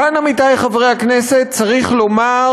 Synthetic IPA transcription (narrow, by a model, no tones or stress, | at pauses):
anamitajχavʁejhaknese̞t̚t͡saʁiχlo̞ma